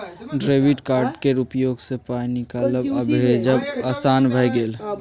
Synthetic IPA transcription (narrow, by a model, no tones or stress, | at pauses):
ɖɾeːʋiʈkaːɾɖkeɾupjoːɡsepaːinɪikaːləbəbʱed͡ʒəbaːsaːnbʱəjɡeːl